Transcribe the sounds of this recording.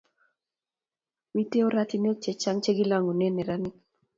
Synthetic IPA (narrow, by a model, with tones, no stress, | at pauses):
mi˦te˦o˦ɾa˦t̪i˦n˦o˦t͡ʃe˨t͡ʃa˦ŋt͡ʃe˦ɡi˦la˦ŋo˨nɛ˦nɛ˨ɾa˦nɪ˦k̚